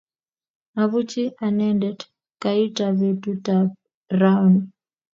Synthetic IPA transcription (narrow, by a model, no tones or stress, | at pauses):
aβut͡ʃiʔanɛndɛd | kaitaβetutap | raun